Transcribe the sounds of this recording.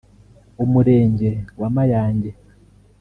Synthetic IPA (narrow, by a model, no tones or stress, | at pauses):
umuɾeːɲɟe̞wamajaːɲɟe